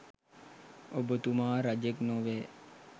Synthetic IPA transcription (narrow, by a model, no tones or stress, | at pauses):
obət̪umaːɾɐd͡ʒeknoʋeː